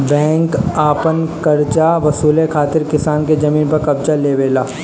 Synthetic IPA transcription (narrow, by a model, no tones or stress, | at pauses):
bɛ̃ːŋkaːpənkɐɾd͡ʒaʋɐsuːlekʰaːt̪ɪɾkɪsaːnked͡ʒɐmiːnpɐɾkɐbd͡ʒaleːʋeːlaː